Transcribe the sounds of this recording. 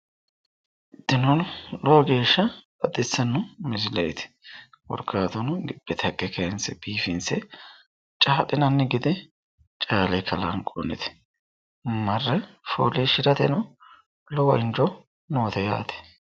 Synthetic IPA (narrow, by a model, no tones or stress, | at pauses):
ɪd̪̥ːɪnɔnlɔwɔɡe̞ːʃːɐ | ɐd̪ɪsːɐnːʊmɪzɪlɛjt̪ɪ̥ | wɔ̰ɾkʰːaːt̪ɔnɡɪb̥ːɛt̪ʰɐkːɛkɐɛnsɛb̥iːfɪnsɛ | t͡ʃʼaːtʼːɪnɐnːɛɡɪd̪ɛ | t͡ʃʼaːlɛkʰɐlɐnkʼɔ̰nɛ̰t̪ɛ̥ | mɐrːɛfo̰ːleʃɪɾɐt̪ɛnʊ | lɔwɔɪnd͡ʒɔ | noːt̪ɛja̰ːt̪ɛ̥